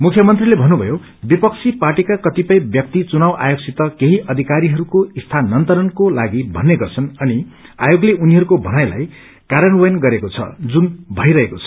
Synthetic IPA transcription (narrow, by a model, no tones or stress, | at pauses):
mukʰjʌmʌnt̪rilebʱʌnːubʱʌjo | bipʌkt͡sʰiparʈikakʌt̪ipʌj̃bjʌk̚t̪it͡sunawʔa̰joksit̪ʌkeɦiʔʌd̪ʱikaɾiɦʌɾukoist̪ʰanːʌnt̪ʌɾʌnkolaɡibʱʌnːeɡʌrt͡sʰʌnʌni | ajoɡleuniɦʌɾukobʱʌnajla̰j | kaɾʌnwʌjʌnɡʌɾekot͡sʰʌ̰d͡zunbʱʌjɾʌɦekot͡sʰʌ̥